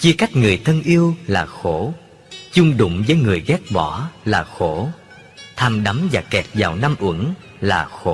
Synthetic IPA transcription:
t͡ɕi˧əka˦˥jk̟̚ŋɨ˨˩əjt̪ʰə˧nʔi˧əwlaː˨˩xo˧˩ | t͡ɕʊ˧ŋ͡mɗʊ̰˧˨ŋ͡mzəː˨˦jŋɨ˨˩əjɣɛ˦˥t̚ɓɔ˧˩laː˨˩xo˧˩ | t̪ʰaː˧mɗa˨˦mzaː˨˩kɛ˨˩t̚zaː˨˩wna˧mʔwə̰˧˩˥ŋ | laː˨˩xo˧˩

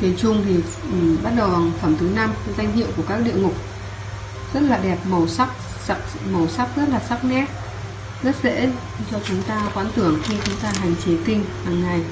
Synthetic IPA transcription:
t̪i˨˦t͡ɕʊ˧ŋ͡mt̪ʰi˨˩˨ | ɓa˦˥t̚ɗə˨˩wa˨˩ŋfə˧˩mt̪ʰɨ˨˦na˧m˨za˧jŋ̟hḭ˧˨əwku˧˩əkaː˦˥k̚ɗḭ˧˨əŋʊ˨˩k͡p̚ | zə˦˥t̚laː˨˩ɗɛ˨˩p̚mə˨˩wsa˦˥k̚ | sk̚mə˨˩wsa˦˥p̚zə˦˥t̚laː˨˩sa˦˥k̚nɛ˦˥t̚ | zə˦˥t̚zḛ˧˥ | t͡ɕɔ˧t͡ɕʊ˨˦ŋ͡mt̪aː˧kwaː˨˦nt̪ɨ˧˩əŋxi˧t͡ɕʊ˨˦ŋ͡mt̪aː˧ɦa˨˩jŋ̟t͡ɕe˨˦t̪ï˧ŋ̟haː˨˩ŋːa˨˩j

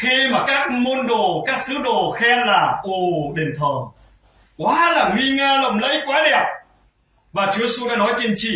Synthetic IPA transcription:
xi˧maː˨˩kaː˦˥k̚mo˧nɗo˨˩kaː˦˥k̚sɨ˨˦ɗo˨˩xɛ˧nlaː˨˩ʔo˨˧˩ɗe˨˩nt̪ʰəː˨˩ | kwaː˨˦laː˨˩ŋwi˧ŋaː˧lə̰˧˨wŋ͡mlə̰˧˥jkwaː˨˦ɗɛ˨˩p̚ | vaː˨˩t͡ɕu˨˦əsu˧ɗaː˧˥nɔ˨˦jt͡ɕe˧nt͡ɕḭ˧˨

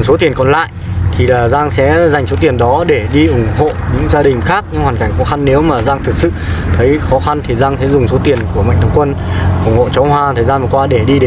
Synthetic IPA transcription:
ŋ͡mso˨˦t̪̬i˨˩ənkɔ˨˩nla̰ː˧˨jʔt̪ʰi˨˩laː˨˩zaː˧ŋsɛ̰˧˥za˨˩jŋ̟so˨˦t̪̬i˨˩ənɗɔ˨˦ɗe˧˩ɗi˧ʔʊ˧˩ŋ͡mho̰˧˨ɲɨ̰˧˥ŋzaː˧ɗï˨˩ŋ̟xaː˦˥k̚ɲɨ̰˧˥ŋhwaː˨˩nka˧˩jŋ̟xɔ˨˦xa˧nːe˨˦wmaː˨˩zaː˧ŋt̪ʰɨ˨˩k̚sɨ̰˧˨t̪ʰə˨˦jxɔ˨˦xa˧nt̪ʰi˨˩zaː˧ŋsɛ̰˧˥zʊ˨˩ŋ͡mso˨˦t̪i˨˩ənku˧˩əma̰˧˨ŋ̟t̪ə˨˦ŋ͡mkwə˧n | ʔʊ˧˩ŋ͡mho̰˧˨t͡ɕɔ˨˦whwaː˧t̪ʰəː˨˩jzaː˧mvə˨˩kwaː˧ɗe˧˩ɗi˧ɗe˨˦

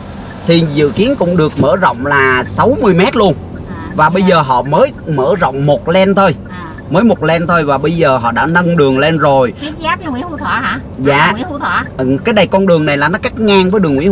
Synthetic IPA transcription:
t̪ʰi˨˩zɨ̰˧˨ki˨˦ənkʊ̰˧˥ŋ͡mɗɨ˨˩ək̚mə̰ː˧˩zə̰˧˨wŋ͡mlaː˨˩sa˨˦wmɨ˧əjmɛ˦˥t̚lu˧ən | vaː˨˩ɓə˧jzəː˨˩ɦɔ̰˧˨məː˨˦jməː˧˩zə̰˧˨wŋ͡mmo˨˩t̚lɛ˧nt̪ʰo˧j | məː˨˦jmo˨˩t̚lɛ˧nt̪ʰo˧jvaː˨˩ɓə˧jzəː˨˩ɦɔ̰˧˨ɗa̰ː˧˥nə˧nɗɨ˨˩əŋle˧nzo˨˩ji˨˦aː˦˥p̚ɲa˧wḭ˧˥ə˦fṵ˧˩t̪ʰwaː˧˩ɦaː˧˩ | za̰ː˧˨˧wḭ˧˥˦ṵ˧˨˩t̪ʰwaː˧˩˨kaː˨˦jɗa˨˩jkɔ˧nɗɨ˨˩əŋna˨˩jlaː˨˩nɔ˨˦ka˦˥k̚ŋaː˧ŋvəː˨˦jɗɨ˨˩əŋwḭ˧˥˦

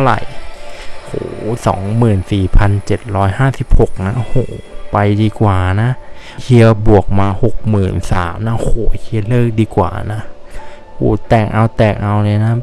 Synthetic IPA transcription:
a˧wɾa̰˨˩j | hoː˧˩˦sɔ̰ː˩˦ŋmɯː˨˩nsiː˨˩pʰa˧nt͡ɕe˨˩t̪̚ɾɔː˦˥jhaː˥˩si˨˩p̚ho˨˩k̚na˦˥ʔhoː˩˦pa˧jdiː˧kwaː˨˩na˦˥ʔkʰi˧ə˧wbu˨˩ək̚maː˧ho˨˩k̚mɯː˨˩nsa̰ː˩˦mna˦˥hoː˨˦kʰi˧əlɤː˥˩k̚diː˧kwa̰ː˨˩na˦˥ | ho̰ː˨˩˦t̪ɛː˨˩k̚ʔa˧wt̪ɛː˨˩k̚ʔa˧wlɤː˧jna˦˥

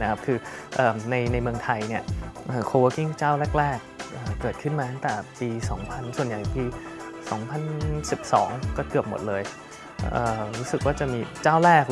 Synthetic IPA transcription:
na˦˥kʰa˦˥p̚kʰɯː˧ʔɤː˨˩na˧jna˧jmɯ˧əŋt̪ʰa˧jni˥˩ɐʔɤː˨˩kʰoː˧wəː˦˥ki˥˩ŋt͡ɕaː˥˩wlɛː˥˩k̚ɾɛː˥˩k̚ʔəː˨˩ɤː˨˩t̪̚kʰɯ˥˩nmaː˧t̪ʰa˥˩ŋt̪ɛː˨˩piː˧sɔː˩˦ŋpʰa˧nsu˨˩ənja˨˩jpiː˧sɔː˩˦ŋpʰa˧˨nsi˨˩p̚sɔ̰ː˩˦ŋkɔː˥˩kɯ˨˩əp̚mo˨˩t̪̚lɤː˧j | ʔəː˨˩ɾuː˦˥sɯ˨˩k̚waː˥˩t͡ɕa˨˩miː˧t͡ɕaː˥˩wɾɛː˥˩k̚

